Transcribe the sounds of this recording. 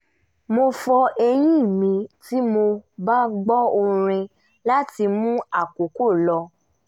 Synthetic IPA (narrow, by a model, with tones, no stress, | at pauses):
mo˧fɔ˧ɛ˧j̃ĩ˦˨mĩ˨˧ti˦mo˧ba˦ɡ͡bɔ˦o˧ɾ̃ĩ˧ | la˦ti˧mũ˦a˦˨ko˨ko˦˨lɔ˧